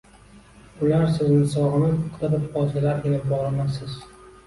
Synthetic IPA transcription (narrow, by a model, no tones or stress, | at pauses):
ʊlaɾsɪznɪsɒʁɨnɪzʊqʰt̪abɪɾɒzɪlaɾʔelɪp̚bɒʁlˠamasɪz̥